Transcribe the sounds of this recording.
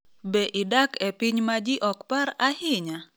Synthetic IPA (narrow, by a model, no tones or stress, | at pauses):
bɛʔɪdakɛpɪɲmad͡ʒɪʔɔkpaɾahɪɲa